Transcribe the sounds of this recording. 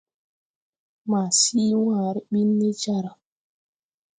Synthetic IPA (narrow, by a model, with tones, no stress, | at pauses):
ma˨siː˦wãː˨ɾi˦ɓi˦nːe˦d͡ʒa˦ɾa˨